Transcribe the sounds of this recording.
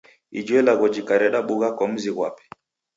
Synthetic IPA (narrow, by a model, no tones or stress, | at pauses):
id͡ʒwɛlaɣɔd͡ʒikaɾɛɗaɓuɣakɔm̩ziɣwa̰pɛ̥